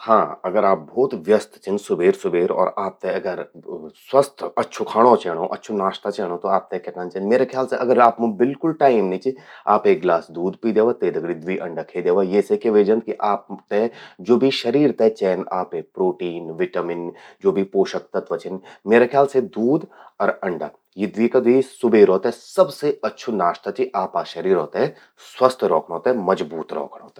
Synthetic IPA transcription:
hãːɐɡəɾaːp̚bʱɔːt̪ʋjəst̪t͡ʃɪ̃nsʊbʱeːɾsʊbʱeːɾɔ̰ːɾaːp̚t̪eɐɡəɾswəst̪ʰɐtːʃʰokʰaːɽ̃õt͡ʃɛːɽ̃õʔɐ̰tːʃʰonaːʃt̪at͡ʃɛːɽ̃õt̪oaːp̚t̪ekɐʈãnt͡ʃenmeːɾekʰjaːlseʔɐɡəɾaːpmʊ̃bɪlkʊlʈaːɪmnĩt͡ʃiaːpeːk̚ɡlaːsd̪uːd̪pid̪eːʋat̪eːd̪ɐɡɽid̪ʋiʔɐ̃ɳɖəkʰed̪eːʋajeːsekeʋeːd͡ʒə̃nt̪̚kiʔaːp̚t̪ed͡ʒoːbʱiʃɐɾiːɾt̪et͡ʃɛːnaːpepɾoːʈiːnʋɪʈamɪnd͡ʒoːbʱipoːʃək̚t̪ɐt̪ʋɐt͡ʃʰɪnmeːɾekʰjaːlsed̪uːd̪ɔɾɐ̃ɳɖa̰ː | jid̪ʋikad̪isʊbeːɾoːt̪eɦɛsɐbseɐtːʃʰonaːʃt̪at͡ʃiʔaːpaʃɐɾiːɾɦoːt̪eɦɛ | swɐst̪ʰɾɔ̰ːkʰnɦoːt̪eɦɛmɐd͡ʒbuːt̪ɾɔ̰ːkʰɽɦoːt̪e

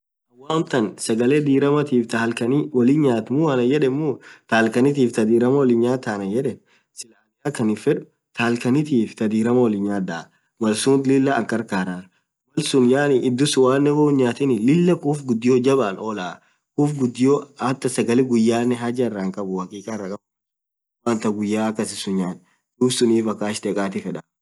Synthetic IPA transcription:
ʔɐwːaːʊnt̪ɐnsɐɡɐleːd̪iːɾɐmɐt̪iːft̪alkɐnɪwɐlɪnɲaːt̪mʊɐnɐjɛᶑɛmːʊt̪aːlkɐnɪt̪̬iːft̪ɐd̪iːɾɐmɐwɔlɪɲaːt̪ːaːnɐjɛᶑɛ | sɪlaːlɪjaːkɐnɪfɛᶑʊ̥ | t̪ʰaːlkɐnɪt̪iːft̪ɐd̪iːɾɐmɐwɐlɪɲɲaːd̪a | mɐlsuːnt̪lɪlːɐːkːɐɾkaːɾaːɾ | mɐlsʊnjaːnɪʔɪd̪ːʊsʊwaːnːɛwoʊɲɲaːt̪ɪnɪlɪlːɐkuːfɡʊd̪ːɪjoːd͡ʒɐbaːnoːlaː | kuːfɡʊd̪ːɪjoɐt̪ːɐsɐɡɐlɪɡʊjːaːnːɛɦɐd͡ʒrːɐŋkʼɐbʊhɐkʼiːkʼɐrːɐkʼɐbʊ | waːnt̪ɐɡʊjːaːɐkːɐsɪsʊɲːaːn | d̪̥uːbsʊniːfɐkːaːʃd̪ɛkʼaːt̪ɪfɛᶑɐ

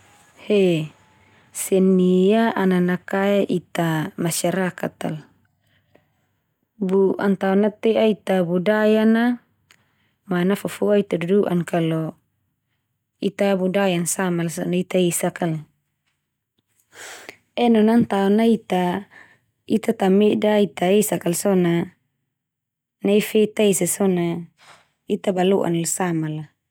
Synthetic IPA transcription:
hɛ | sɛnːijaʔananakaeʔit̪amaʃaɾakat̪a̰l | buʔa̰nt̪aɔnat̪ɛʔait̪abudajana | manafufuait̪aduduʔa̰nkalɔ | it̪abudajansamalsɔnait̪aisakal | ɛnɔnant̪aɔnait̪a | it̪at̪amɛdait̪aesakalsɔna | naifɛt̪aisasɔna | it̪abalṵʔa̰nlsamala

